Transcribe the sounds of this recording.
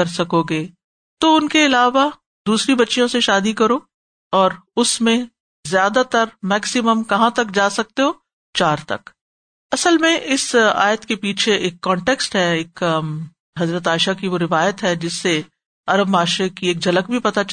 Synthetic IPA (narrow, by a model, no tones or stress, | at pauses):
ɐɾsɐkoɡeː | t̪oʊnkeɪlaːʋa | d̪uːsɾibɐtːʃijõseʃaːd̪ikɐɾoː | ɔːɾʊsmẽ | zjaːd̪at̪ɐɾmɛːksɪməmkɐɦãt̪ɐk̚d͡ʒaːsɐk̚t̪eɦoː | t͡ʃaːɾt̪ɐ̰k | ɐsəlmẽʔɪsa̰ːjət̪kepiːt͡ʃʰeʔeːkːɔ̃ːɳʈeːksʈɦɛeːk | ɦɐzɾət̪aːɪʃakiʋoɾɪʋaːjət̪ɦɛd͡ʒɪsːe | ɐɾəbmaːʃɾekieːkd͡ʒɐlək̚bʱipɐt̪a